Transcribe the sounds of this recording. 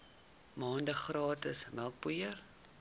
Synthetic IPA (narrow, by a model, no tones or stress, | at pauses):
mɑːndəχrɑːtəsməlˠk̚pujər